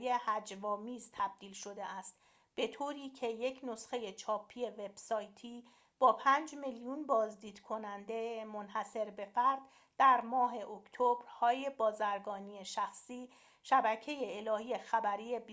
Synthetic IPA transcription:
jehæd͡ʒvɒːmiːzt̪ʰæb̥̚d̪iːlʃo̞d̪e̞æst̪ | b̥e̞t̪ʰoːɾiːcʰe̞je̞cʰno̞sχe̞jet͡ʃʰɒːpʰːije̞ve̞b̥sɒːjt̪ʰiː | b̥ɒːpʰænd͡ʒmeljunbɒːzd̪iːd̪̥kʰo̞nænd̪e̞mo̞nhæse̞ɾbe̞fæɾd̪̥ | d̪̥æɾmɒːɦe̞ʔokʰt̪ʰobɾhɒːje̞bɒːzæɾɡɒːniːje̞ʃæxsiː | ʃæbæcʰe̞je̞ːlɒːhiːje̞xæbæɾiːjeb

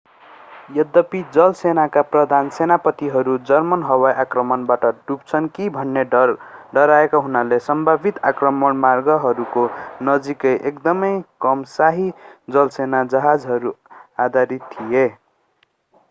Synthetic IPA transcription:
jʌd̪ːʌpid͡zʌlsenakaprʌd̪ʱansenapʌt̪iɦʌɾud͡zʌrmʌnɦʌwajʔakrʌmʌnbaʈʌɖup̚t͡sʰʌnkibʱʌnːeɖʌɾaekaɦunalesʌmbʱabit̪akrʌmʌnmarɡʌɦʌɾukonʌd͡zikʌjʔekd̪ʌmʌjkʌmsaɦid͡zʌlsenad͡zʌɦad͡zɦʌɾuad̪ʱaɾit̪ʰːije

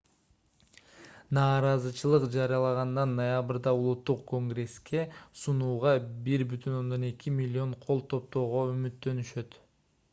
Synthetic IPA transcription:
nɑːɾɑzɯt͡ʃɯlˠɯqd͡ʒɑɾijɑlˠɑʁɑnd̪ɑnːojabɾd̪ɑulˠut̪ːuqko̞ŋɡre̞skʲe̞sunuːʁɑbiɾbyt̪ʰyno̞nd̪o̞ne̞kimʲilʲːio̞ɴqʰo̞lˠt̪ʰo̞p̚t̪o̞ːʁo̞ymyt̪ːø̞nyʃø̞t̪

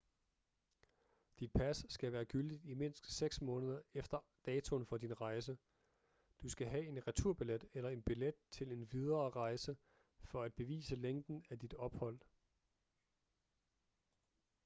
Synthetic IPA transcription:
d̥id̥̚pʰæsːɡ̥æʋæːɐɡ̥yld̥id̥ime̝n̰sɡ̥seɡ̥smɔ̽ːnəð̞ˠɐefd̥ɐd̥ɛːt͡sʰo̝nfɒ̽d̥inʁɑ̈ɪs̬ə | d̥usɡ̥æɦæe̝nʁæt͡sʰuɐ̰b̥iled̥elɐe̝nb̥iled̥̚t͡sʰe̝le̝nʋið̞ˠɐːʁɑ̈ɪsə | fɒ̽æd̥̚b̥e̝ʋḭːsəleŋ̰d̥n̩æd̥id̥ɒ̽b̥hɒ̽l̰

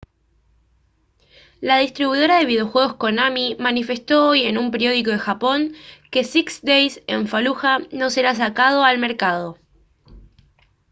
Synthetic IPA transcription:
laðist̪ɾiβuiðo̞ɾaðe̞βið̞eo̞xwe̞ɣ̞osko̞namimanife̞st̪o̞oje̞numpeɾjo̞ð̞iko̞ð̞exapo̞ŋke̞siksd̪ejse̞ɱfaluxano̞se̞ɾas̬akað̞o̞almeɾkað̞o̞

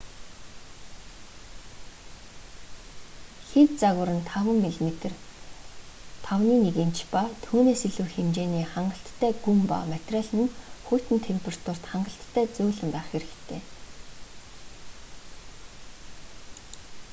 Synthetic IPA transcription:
xet̪t͡saɣʊ̆ɾə̆nt̪ʰawə̆ŋːiɮmet̪ɘ̆r | t̪ʰawniːneɣent͡ɕpat̪ʰuːneːsiɮŭːxemt͡ɕeːniːχaɴɢə̆ɬt̪ʰːæːɡumpa̰mæt̪raɮɘ̆nxujʰt̪ɘ̆nt̪ʰempʲʰerḁt̪ʰʊr̥t̪χaɴɢə̆ɬt̪ʰːæːt͡sʊːɮə̆mpæːχxeɾɘ̆kt̪ʰeː

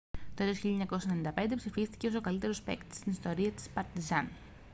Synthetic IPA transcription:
t̪oelosçiʎɐɲɐko̞sɐenenind̪ɐpe̞nd̪epsifist̪i̥ceo̞so̞kɐlit̪eɾo̞spe̞̰kt̪e̥st̪inist̪o̞ɾiɐt̪i̥spɐɾt̪izɐn

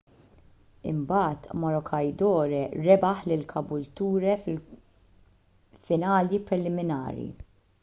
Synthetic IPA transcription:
ɪ̰mbɐːt̪mɔɾɔkʰɐjd̪ɔːɾɛɾɛbɐħlɪlkʰɐbʊlt̪uːɾɛ | fɪnɐːljipɾɛlɪmɪnɐ̰ːɾḭ

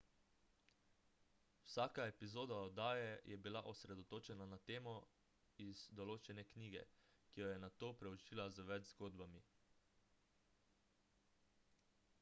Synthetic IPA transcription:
wsaːkaepizoːd̪aɔd̪aːjɛjʔɛbilaʔɔsɾɛd̪ɔt̪oːt͡ʃɛnanat̪eːmɔ | iz̥d̪ɔloːt͡ʃɛnɛkniːɡɛ̰kijɔjɛnat̪oːpɾɛut͡ʃiːlazəʋɛd͡ʒzɡoːd̪bami

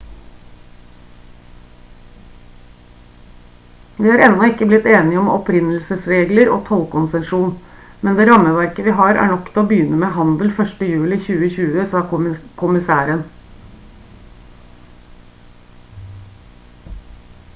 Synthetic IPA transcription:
ʋiːhɑːɾɛnɔɪkːəblɪt̪eːnɪɔmɔpɾɪnəl̩səsɾeːɡləɾo̰ːt̪ʰɔlkʊnsɛnʂuːn | mɛnd̪eːɾɑməʋæɾkəʋiːɦɑːɾæ̰ːɳɔkt̪ʰɪloːbjʏnəmeːhɑnd̪l̩fœʂʈəjʉːlɪçʉːəçʉːəsɑːkʰʊmɪsæːɾən

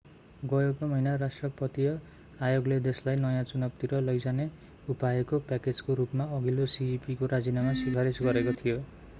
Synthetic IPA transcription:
ɡʌjokamʌinaɾasʈrʌpʌt̪ijʌ | ajoɡled̪eslajnʌjãt͡sunʌbt̪iɾʌlʌjd͡zane | upaekopaked͡zkoɾupmaʌɡilosiipikoɾad͡zinamasiaɾesɡʌɾekot̪ʰijo

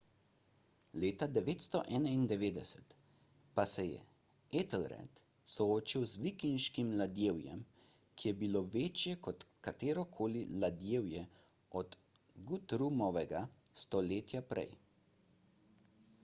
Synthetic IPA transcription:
leːt̪ad̪ɛʋeːt̪st̪ɔ̰ʔɛːnaind̪ɛʋeːd̪ɛsɛ̥t̪ | pasɛjɛ̰ | et̪ɛlɾɛ̰t̪ | sɔoːt͡ʃiwzʋikinʃkimlad̪jeːwjɛ̰m | kʰijɛbiloʋeːt͡ʃjɛkɔt̪kat̪eːɾɔkʰoːlilad̪jeːwjɛ | ɔd̪ | ɡut̪ɾumɔʋɛɡast̪ɔleːt̪japɾɛ̰j

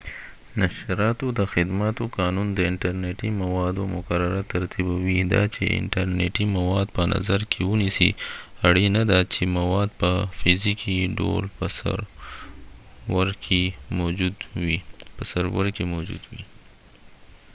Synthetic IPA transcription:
naʃɾɑt̪od̪əxɪd̪mat̪okɑnund̪əɪɳʈaɾneʈimawɑd̪omʊkaɾaɾat̪aɾt̪ibawid̪ɑ̰t͡ʃḛɪ̰ɳʈaɾneʈimawɑd̪pəna̰zaɾkʰewunisiaɽenad̪at͡ʃemawɑd̪̚pəfɪzikʰiɖo̰lpəsa̰ɾ | waɾkʰemod͡ʒud̪wipəsaɾwa̰ɾkemod͡ʒṵd̪wi

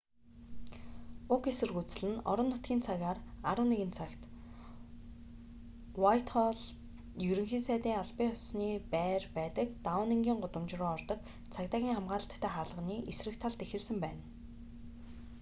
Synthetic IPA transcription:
ʊkesɵ̆rɣuːt͡s̆ɮɘ̆nɔ̰ɾɞ̆nːʊt̪̚ɡʲiːnt͡sʰaɣaːraɾə̆ːneɣɘ̆nt͡sʰakt̪ | wajt̪χɔɮ | jɵɾɵ̆ŋxiːnsæːt̪iːŋaɮpiːɔsniːpæːrpæːt̪ə̆kt̪awə̆neŋɡʲiːŋɢʊt̪ə̆mt͡ɕrʊːɔrt̪ɞ̆t̪ | t͡sʰakt̪aːɣʲiːŋχamɢaːɮə̆ɬt̪ʰːæːχaːrɮʁə̆niːʔesrɘ̆kt̪ʰːaɮt̪exɘ̆ɮsɘ̆mpæːn

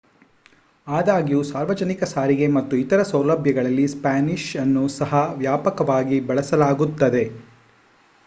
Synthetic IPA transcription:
aːd̪aːɡijusaːɾʋɐd͡ʒɐnikɐsaːɾiɡe̞mɐt̪ːuit̪ɐɾɐsɐwlɐbʱjɐɡɐɭɐlːispaːniʃɐnːusɐɦɐʋjaːpɐkɐʋaːɡibɐɭɐsɐlaːɡut̪ːɐd̪e̞

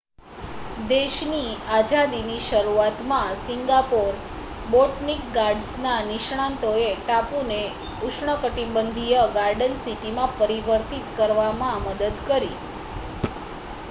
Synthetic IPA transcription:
d̪eʃniad͡ʒad̪iniʃəɾuat̪mãsiŋɡapoɾ | boʈnikɡaɾɖsnaniʃɳ̃ãnt̪oeʈapune | uʃɳəkəʈibənd̪ʱijəɡaɾɖənsiʈimãpəɾiʋəɾt̪it̪kəɾʋamãməd̪əd̪kəɾi

